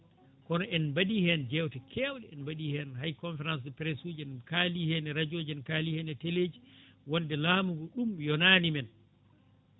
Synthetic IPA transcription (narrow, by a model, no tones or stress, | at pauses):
kɔnɔʔɛnbaɗihɛnd͡ʒɛwtɛkʰɛːwɗɛɛnbaɗihɛnɦajkɔnfɛɾans̬dɛpɾɛsuːd͡ʒɛnkalihɛnɛɾad͡ʒoːd͡ʒɛnkalihɛnɛteleːd͡ʒiwɔndɛlaːmuɡɔɗumjɔnaːnimɛn